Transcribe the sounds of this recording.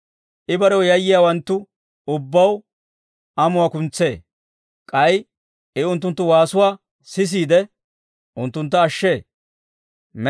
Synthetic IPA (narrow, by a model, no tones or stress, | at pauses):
ʔɪbɐɾɛwjɐjːɪjaːwɐnt̪ːʊ | ʊbːɐw | ʔɐmʊwaːkʊnt͡sːe̞ː | kʼɐj | ɪʊnt̪̬ːʊnt̪ːʊwaːsʊwaː | sɪs̬iːd̪ɛ | ʔʊnt̪ːʊnt̪̬ːɐːʃːe̞ː | m